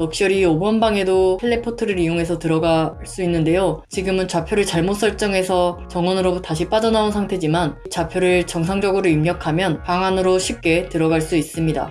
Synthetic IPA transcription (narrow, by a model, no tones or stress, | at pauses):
jʌk̚ɕ͈ʌɾiobʌnbaŋe̞doeɭːepʰotʰɯɾɯɾijoŋɦe̞sʰʌtɯɾʌɡa | s͈uinːɯnde̞jot͡ɕiɡɯmɯnt͡ɕapʰjoɾɯɭt͡ɕaɭmot̚s͈ʌɭt͡ɕ͈ʌŋe̞sʰʌt͡ɕʌŋwʌnɯɾotaɕ̬ʰip͈ad͡ʑʌnaonsʰaŋtʰe̞d͡ʑimant͡ɕapʰjoɾɯɭt͡ɕʌŋsʰaŋd͡ʑʌɡɯɾoimɲʌkʰamjʌnpaŋanɯɾoɕʰip̚k͈e̞tɯɾʌɡaɭs͈uis͈ɯmɲida̰